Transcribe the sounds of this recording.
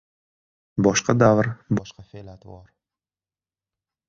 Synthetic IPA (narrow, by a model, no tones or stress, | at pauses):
bɒʃqad̪avɾbɒʃqafelat̪bɒɾ